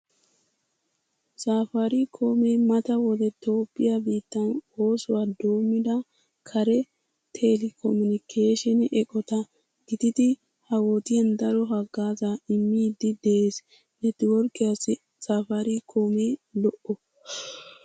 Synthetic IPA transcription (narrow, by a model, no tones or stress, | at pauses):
saːfɐɾikʰoːmeːmɐt̪ɐwɔd̪ɛt̪o̞ːpʼːɪjabiːt̪ːɐno̞ːsʊwaːd̪oːmɪd̪ɐ | kʰɐɾɛ | t̪ʰɛlɪkʰɔmʊnɪkʰeːʃɛnʔɛkʼɔt̪ɐ | ɡ̥ɪt̪ɪd̪ɪ | hɐwoːt̪ɪjɐnd̪ɐɾɔɦɐɡːaːzaːɪmːiːd̪ːɪd̪eʔeːs | nɛt̪ɪwɔɾkʼːɪjasɪ | saːfɐɾikʰo̞ːmeːlɔʔɔ